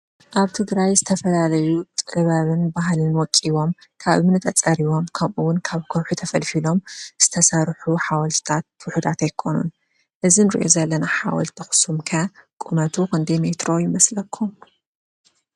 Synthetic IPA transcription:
ʔaβt̪ʰɨɡɾajzɨt̪ʰɐfɐlalɐjut̪ʼɨβaβɨnbaɦlɨnwɔkʼːiβo̞mkʰaβɨmɨnɨt̪ʰʼɐt͡sʼɐɾiwo̞mkʰɐmʔuwʊnkʰaβkʰɐwħut̪ʰɐfɐlfilo̞mz̥ɨt̪ʰɐsɐɾħuħawɐlt̪ʰt̪ʰat̪̚wʊħud̪at̪ajkʰo̞nṵn | ʔɨzinɨɾḭʔo̞̰zɐlːɐnaħa̰wɐ̰lt̪t̪ʰɐxsumkʰakʼumɐt̪ʰukɐnd̪emet̪ɾo̞jɪmɐslɐkʰːum

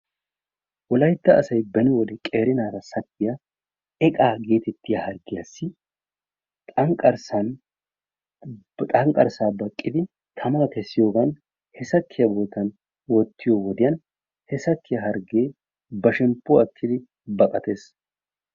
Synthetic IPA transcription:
wɔlɐjt̪ːɐ̰ːsɐjbɛnɪwɔd̪ɛkʼeːɾɪnaːɾɐsɐkːɪjɐ | ɛkʼaːɡe̞ːt̪ɛt̪ːɪjɐhɐɾɡːɪjɐsːɪ | t̪ʼɐŋkʼɐɾsɐn | t̪ʼɐŋkʼɐ̰ɾsaːbɐkʼːɪd̪ɪ | t̪ʰɐmak̪ɛsːɪjo̞ːɡɐn | hɛsɐkʰːɪjɐbo̞ːt̪ɐn | wɔt̪ːɪjoːwɔd̪ɪjɐn | hɛsɐkʰːɪjɐɦɐɾɡeː | bɐʃɛmpːʊɐkʰːɪd̪ɪ | bɐkʼɐt̪e̞ːs

